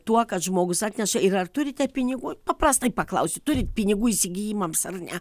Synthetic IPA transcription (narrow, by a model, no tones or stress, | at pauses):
t̪uɔkɐt̪ʒmoːɡʊsɑːt̪ʲnʲɛʃɐɪɾɐrt̪ʊɾʲɪt̪ʲɛpʲɪnʲɪɡuːpɐpɾɑst̪ɐɪpɐklˠɐʊsʲɪt̪ʊɾʲɪt̪ʲpʲɪnʲɪɡuːisʲɪɡʲiːjɪmɐmsɐrnʲɛ